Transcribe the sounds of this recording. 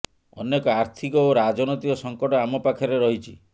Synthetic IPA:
ɔ̰nekɔaɾt̪ʰikɔoɾad͡ʒɔnt̪ikɔsɔŋkɔʈɔamɔpakʰɔɾeɾɔɦit͡ʃʰḭ

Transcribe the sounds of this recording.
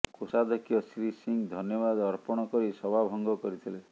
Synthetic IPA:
kosad̪ʱɔkʰjɔsɾisiŋd̪ʱɔnjɔbad̪ɔɾpɔɽ̃ɔkɔɾisɔbʱabʱɔŋɡɔkɔɾit̪ʰile

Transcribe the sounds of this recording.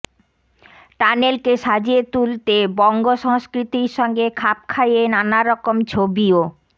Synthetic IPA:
ʈanelkeʃad͡ʑiet̪ult̪ebɔŋɡoʃɔɦoskɾit̪iɾʃɔŋɡekʰap̚kʰajenanaɾɔkomt͡ɕʰobio

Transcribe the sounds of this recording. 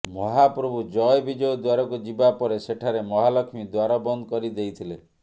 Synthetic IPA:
mɔɦapɾɔbʱud͡ʒɔjbid͡ʒɔjɔd̪waɾɔkud͡ʒibapɔɾeseʈʰaɾemɔɦalɔkʰmid̪waɾɔbɔnd̪ɔkɔɾid̪ejt̪ʰile

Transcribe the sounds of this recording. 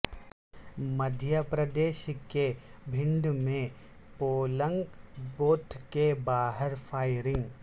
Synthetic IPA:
məd̪ʱjapɾəd̪eːʃkebʱɪ̃ɳɖ̪mẽ | poːlə̃ŋɡboːʈʰkebaːɦəɾfʰaːɪɾɪ̃ŋɡ

